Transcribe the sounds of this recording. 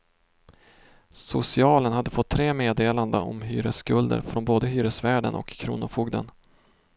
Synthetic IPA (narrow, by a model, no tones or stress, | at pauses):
sʊsɪɑːlənhad̪ːəfɔt̪ʰːɾeːmeːd̪eːland̪əɔ̰mɦyːɾəskɵld̪ə̰ɾfɾɔnboːd̪əɦyːɾəsvæːɖə̰nʔɔ̰kʰːɾṵːnʊfuːɡd̪ə̰n